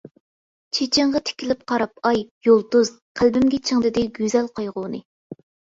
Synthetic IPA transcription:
t͡ʃʰet͡ʃʰɪɴʁɑt̪ʰe̥kʲʰilɪp̚qʰɑɾɑp̚ɑjːolˠd̪uz̥ | qʰælbɪmɡʲɛt͡ʃʰɪŋd̪ɪd̪ɪɡʲyzɛlqʰojʁʊnɨ

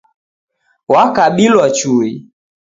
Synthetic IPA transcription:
wakaɓilwat͡ʃui

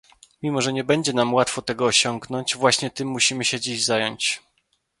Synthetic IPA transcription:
mʲimɔʐɛɲɛbɛɲd͡ʑɛnamwat̪fɔt̪ɛɡɔːɕɔŋɡnɔɲt͡ɕvwaɕɲɛt̪ɘmːuɕimɘɕɛd͡ʑiʑzajɔɲt͡ɕ

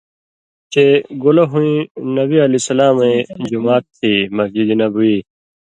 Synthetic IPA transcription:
t͡ɕeɡulɐɦũĩnɐbiɐlisɐlaːmẽd͡ʑumaːt̪ʰːiːmɐd͡ʑid̪inɐbuiː

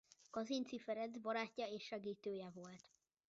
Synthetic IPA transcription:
kɒzint̪sifɛɾɛd̪bɒɾaːcːɒeːʃːɛɡiːt̪øːjɛvo̞lt̪

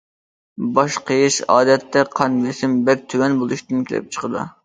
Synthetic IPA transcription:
bɑʃqʰəjiʃɑ̰ːd̪ɛt̪ʰːɛqʰɑnbesɪmbɛk̚ʲt̪ʰywɛnbolˠuʃt̪ɨnkʲilɪ̰p̚t͡ʃʰə̥qəd̪ṵ

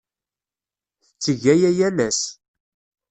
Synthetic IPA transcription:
θət͡sːəʝæjæjæmæs

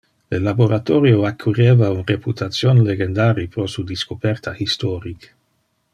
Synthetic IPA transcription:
lelaboɾat̪oɾjoakʰːureːvaunreput̪ʰat̪sjonleɡend̪aːɾipɾosud̪iskopɛrt̪ʰahist̪oɾik

